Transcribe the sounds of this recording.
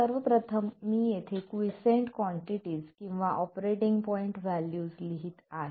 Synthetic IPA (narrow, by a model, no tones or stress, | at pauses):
səɾʋəpɾət̪ʰəmːijet̪ʰekʋisẽɳʈkʋɔɳʈiʈiːzkĩw̃ʋaʔɔpɾeʈiŋɡpɔiɳʈʋæljuːsliɦiːt̪aɦe